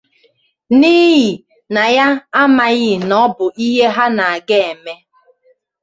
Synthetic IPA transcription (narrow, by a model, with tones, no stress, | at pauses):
ni˦ɣi˨ | na˨ja˦a˦ma˨ɣɪ˦˨nɔ˦bʊ˨ʔi˦ɦe˦ɦa˦na˨a˨ɡe˦˨e˨me˦